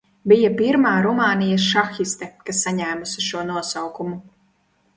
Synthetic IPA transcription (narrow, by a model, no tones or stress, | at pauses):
bijapiɾmaːɾumaːnijɐsʃaxist̪ɛkasːaɲæːmusiʃuɔnuɔsawkumu